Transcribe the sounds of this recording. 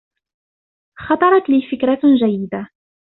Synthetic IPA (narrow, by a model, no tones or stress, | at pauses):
xɑt̪ˤɑɾˤɑt̪lifɪkɾaʒæjːɪd̪a